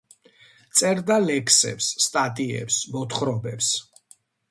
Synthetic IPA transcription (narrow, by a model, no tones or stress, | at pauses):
t̪sʼɛɾd̪alɛkʰsɛ̰psːt̪ʼat̪ʼiɛ̰psbɔt̪ʰχɾɔbɛps